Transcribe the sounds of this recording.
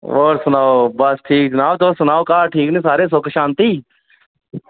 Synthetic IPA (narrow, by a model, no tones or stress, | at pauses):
o̰ːɾsʊnaːobəsʈʰiːk̚d͡ʒɐnaːot̪oːsʊnaːokaːʈʰiːknẽːsaːɾeːs̬oːkʃaːnt̪iː